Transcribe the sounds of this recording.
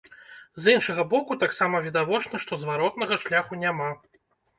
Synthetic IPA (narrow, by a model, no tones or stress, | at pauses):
zinʂɐɣɐbɔkut̪aksamɐvʲid̪avɔt͡ʂnɐʂt̪ɔzvaɾɔt̪nɐɣɐʂlʲaxunʲama